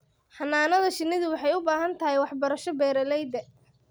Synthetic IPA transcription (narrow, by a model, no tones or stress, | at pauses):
ħɑnaːnɐðɐʃɪnːɪðʊwɑħɑjʊbaːɦɐnt̪ʰɐɦɛjwɑħbɐɾɐʃɔbɛːɾɐlɛjd̪ɛ